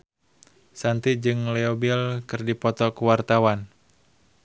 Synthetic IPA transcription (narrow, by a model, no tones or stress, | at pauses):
sant̪id͡ʒɨŋlɛɔbilkɨrdipɔt̪ɔkuwart̪awan